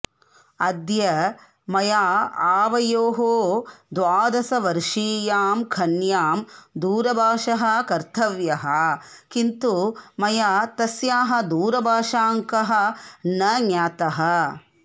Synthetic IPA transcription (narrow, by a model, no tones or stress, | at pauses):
ɐd̪jɐ | mɐjaːaːʋɐjoːɦoːd̪ʋaːd̪ɐsɐʋɐɾʂiːjaːmkʰɐnjaːmd̪uːɾɐbʱaːʂɐɦɐ̆kɐɾt̪ʰɐʋjɐɦɐ̆kint̪umɐjaːt̪ɐsjaːɦɐ̆d̪uːɾɐbʱaːʂaːŋkɐɦɐ̆nɐɲjaːt̪ɐɦɐ̆